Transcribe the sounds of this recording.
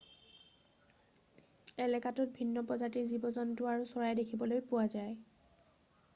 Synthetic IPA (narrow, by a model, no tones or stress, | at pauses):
ɛlɛkatʊt̚bʱinːɔpɔzatizibɔzɔntʊaɹusɔɹajdekʰibɔlojpʊwazaj